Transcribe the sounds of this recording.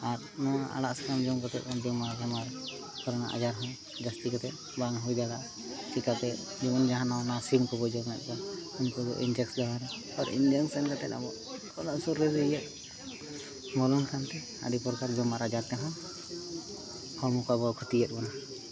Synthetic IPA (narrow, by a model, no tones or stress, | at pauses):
aɾ | nɔaʔa̰laʔskamd͡ʒɔmkɔt̪ɛt̪ɔnd̪ɔmaɾd͡ʒɔmaɾ | pʰɔɾna̰ʔa̰d͡ʒaɾɦɔ̃n | d͡ʒast̪ikɔt̪ɛt̪ | baŋɦujd̪alaʔ | t͡ʃikat̪ɛ | d͡ʒibɔnd͡ʒaɦãnawnasimkɔbɔd͡ʒɔnɛt̪̚kɔunkɔd̪ɔ̰ʔind͡ʒɛksdaɦaɾɛ | ɔɾḭnd̪iɔŋsɛnkat̪ɛa̰bɔ | ɔlaʔsuɾːɛzɛjɛʔ̪̚ | mɔlɔnkʰant̪ɛ | a̰d̪ipɔɾkaɾd͡ʒɔmaɾad͡ʒaɾt̪ɛɦɔ̃n | kɔmukabɔkʰut̪ijɛt̪̚bɔna